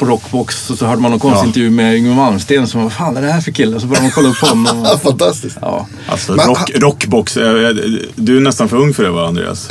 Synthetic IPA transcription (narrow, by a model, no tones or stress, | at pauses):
pʰɔɾɔkːbɔksɔsɔɦœːɖəmanːɔnkʰɔnsstɪnt̪əɾjʉ̟ːmɛʏŋːənvalmst̪eːnsɔmavafaːnæd̪ɛhæːɾfœɾkʰɪlːəɔs̬ɔbœɾjjamanɔkʰɔlːaɵpːʰɔhɔnːɔmfant̪ʰast̪ɪsɑ̰ː | a̰sɔɾɔɾɔkːbɔks | d̪ɵænɛst̪anfœɾɵŋːfœɖɛvaa̰nd̪ɾḛːa̰s